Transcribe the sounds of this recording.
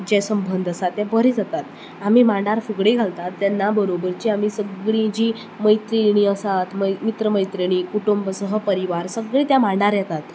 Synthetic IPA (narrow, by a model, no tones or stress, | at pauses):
d͡ʑɛsəmbʱənd̪ʱəsat̪ːjãbəɾid͡zat̪at̪ | am̤iːmãɖaɾfuɡɽeɡʱalt̪at̪ːjanːabəɾobəɾt͡ɕiamisəɡɭĩd͡ʑiː | məjt̪ɾiɽ̃iːəsat̪məmit̪ɾəməjt̪ɾiɽ̃iːkuʈumbəsəɦəpəɾiʋaɾsəɡɭẽt̪jamaɖaɾjɛt̪at̪